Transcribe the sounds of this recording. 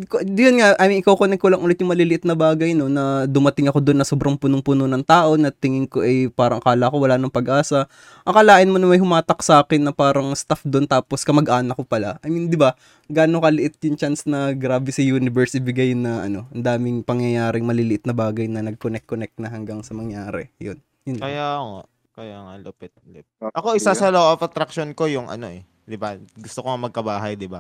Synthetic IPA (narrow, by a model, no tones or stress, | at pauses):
kod̪jonŋaʔamɪʔɪkowkonɛk̚kːolɐŋʔuːlɛt̪jʊŋmɐliːlɪʔɪt̪̚nɐbaːɡɐjno̞nɐd̪ʊmɐt̪ɪŋɐko̞d̪onːɐsoːbɾɐŋpunoŋpunonɐŋt̪aːʔo̞nɐt̪ɪŋɪŋko̞ʔɐjpaːɾɐŋʔkaːlɐʔɐkowɐlaːnoŋpɐɡʔaːsɐ | ʔɐkɐlaːʔɪnmonɐmɐjɦʊmaːt̪ɐksaːkɪnːɐpaːɾɐŋst̪afd̪ont̪aːposkɐmɐɡʔaːnɐkːopɐla̰ʔɐmind̪ɪba | ɡaːnokɐlɪʔɪt̪̚jʊŋt͡ʃansnɐɡɾaːbɛsɐjuːnɪbɛɹsʔɪbɪɡɐjnɐʔɐno̞ʔɐnd̪aːmɪŋpɐŋjɐjaːɾɪŋmɐlilɪʔɪt̪̚nɐbaːɡɐjnɐnɐɡ̚konɛk̚kkːnɛk̚t̪̚nɐɦɐŋɡɐŋsɐmɐŋjaːɾɛ̰jo̰n | jʊnkɐjaŋa̰ | kɐjaŋalopɛt̪̚lɛpʔɐkoʔɪsasɐloʔɐfɐt̪ɾɐk̚ʃonko̞jʊŋʔɐ̰no̞ʔɛ | d̪ɪbaɡʊst̪okoŋɐmɐɡ̚kɐbaːɦɐjd̪ɪba